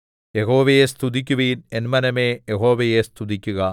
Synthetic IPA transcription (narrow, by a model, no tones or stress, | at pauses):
jeɦoːʋɐjest̪ʰuðik̬ʲːuʋijnenmɐnɐmeːjeɦo̞ːʋɐjest̪ʰuðikʲːuɣɐ